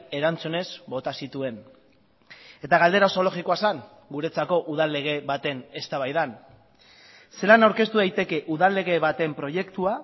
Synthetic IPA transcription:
e̞ɾant͡sune̞zbo̞t̪asit̪ue̞n | e̞t̪aɣ̞ald̪e̞ɾaoso̞lo̞ɣiko̞asaŋ | ɡuɾe̞t͡sako̞ʔuð̞alːe̞ɣ̞e̞βat̪e̞ne̞st̪aβajðan | se̞lanawɾke̞st̪uðajt̪e̞ke̞ʔuðalːe̞ɣ̞e̞βat̪e̞mpɾo̞je̞kt̪ua

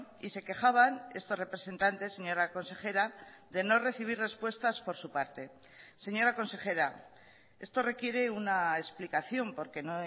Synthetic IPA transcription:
ise̞ke̞xaβane̞st̪o̞re̞pɾe̞se̞nt̪ant̪e̞sːe̞ɲo̞ɾako̞nse̞xe̞ɾaðe̞no̞re̞θiβ̞irre̞spwe̞st̪aspo̞ɾsupaɾt̪e̞se̞ɲo̞ɾako̞nse̞xe̞ɾa | e̞st̪o̞re̞kje̞ɾe̞unaesplikaθjo̞mpo̞ɾke̞no

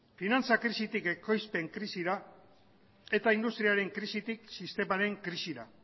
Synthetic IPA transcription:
finant͡sakɾisit̪ike̞ko̞jspe̞ŋkɾisiɾa | e̞t̪aind̪ust̪ɾiaɾe̞ŋkɾisit̪iksist̪e̞maɾe̞ŋkɾisiɾa

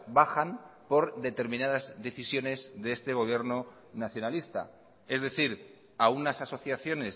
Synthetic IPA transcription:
baxanpo̞ɾd̪e̞t̪e̞ɾmĩnað̞azðe̞θisjo̞ne̞zðeest̪e̞ɣ̞o̞β̞je̞ɾno | naθjo̞nalist̪a̰ | e̞zðe̞θiɾ | aunasaso̞θjaθjo̞ne̞s

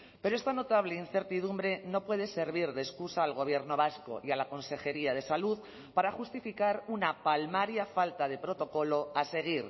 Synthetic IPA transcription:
peɾoe̞st̪ano̞t̪aβ̞lein̟θe̞ɾt̪iðumbɾe̞no̞pwe̞ð̞e̞se̞ɾβ̞iɾðeskusaːlɣ̞o̞β̞jeɾno̞βasko̞̰ʔialako̞nse̞xe̞ɾiað̞e̞saluð | paɾaxust̪ifikaɾunapalmaɾjafalt̪aðe̞pɾo̞t̪o̞ko̞lo̞ase̞ɣ̞iɾ

